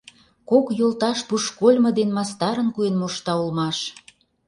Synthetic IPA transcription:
kokjolt̪ɑʃpuʃkolʲmɤ̆d̪enmɑst̪ɑɾə̆nkuenmoʃt̪ɑulmɑʃ

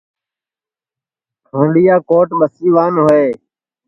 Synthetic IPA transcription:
kʰãːɳɖijaːkoːʈɓəsiːʋaːnɦoːeː

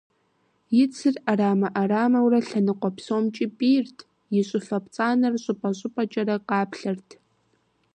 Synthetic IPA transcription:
jɪt͡sʰɨraraːmɐʔaɾaːmɐwrɐɬɐnɨqʷʼɔpsoːmt͡ʃʼipʼiːrtʰ | jɪɕʷʼʊfɐpt͡sʼaːnɐrɕʼʊpʼɐɕʷʼɪpʼɐt͡ʃʼɐɾɐqɑːpʰɬɨrtʰ

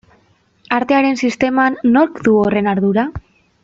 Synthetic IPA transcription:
aɾt̪e̞aɾe̞nsist̪e̞manːo̞ɾkd̪uore̞naɾðuɾa

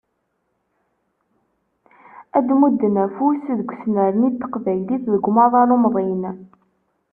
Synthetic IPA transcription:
æd̪mud̪ːənæfusðɡʷsnəɾənit̪ːə̥qvæjliθðəɡʷmɑðˤɑɾˤumðˤin

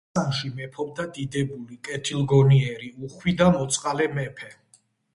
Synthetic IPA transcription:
anʃimɛpʰɔb̚d̪ad̪id̪ɛbulikʼɛt̪ʰilˠɡɔniɛɾiuχwid̪amɔt̪sʼqʼalɛmɛpʰɛ

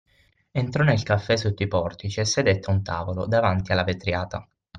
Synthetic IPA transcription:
ent̪ɾɔnelkafːɛsut̪ːoipɔrt̪it͡ʃiɛsːed̪et̪ːeunt̪aːvolo̰d̪avant̪ialːavet̪ɾjaːt̪a

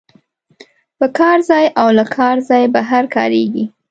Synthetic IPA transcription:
pəkɑɾzɑjʔawlakʰɑɾzɑjbaɦaɾkɑ̰ɾeɡi

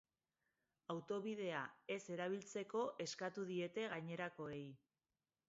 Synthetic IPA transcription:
awt̪o̞β̞ið̞e̞ae̞se̞ɾaβ̞ilt͡se̞ko̞ʔe̞skat̪uðie̞t̪e̞ɣaɲe̞ɾako̞e̞j

